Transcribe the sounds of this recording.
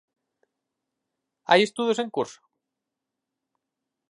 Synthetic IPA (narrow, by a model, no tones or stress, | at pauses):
a̰jest̪uðjoseŋkuɾso̥